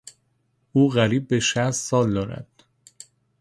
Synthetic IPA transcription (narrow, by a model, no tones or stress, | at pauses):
uːɣæɾiːbːeʃæst̪sɒːld̪ɒːɾæ̰d̪̥